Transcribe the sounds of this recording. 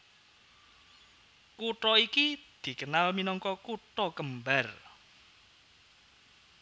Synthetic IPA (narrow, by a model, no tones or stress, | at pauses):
kuʈɔikid̪̥i̤kənalminɔŋkɔkuʈɔkəmbar